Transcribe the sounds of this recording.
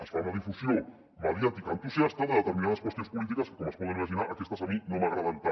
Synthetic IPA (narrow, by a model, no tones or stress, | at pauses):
asfaunaðifusjo | meðjat̪ikant̪usjast̪aðeðet̪eɾmĩnaðaskwest̪jonspulit̪ikaskomaspoðenimaʃinaɾakest̪asaminomaɣɾaβant̪a